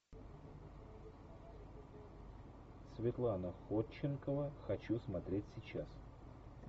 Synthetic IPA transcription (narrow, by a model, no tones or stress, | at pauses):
svʲɪt̪lˠanəxot͡ɕːɪnkəvəxɐt͡ɕusmɐt̪ɾʲetʲsʲɪt͡ɕas